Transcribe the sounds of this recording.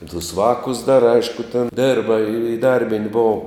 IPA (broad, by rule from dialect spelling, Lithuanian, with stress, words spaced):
ɪ tʊs ˈʋɑːkʊs dɐr ˈɐɪʃkʊ tʲɛn ˈdʲeːrbɐ ɪˈdɐrʲbʲɪnʲtʲ ˈboːʊ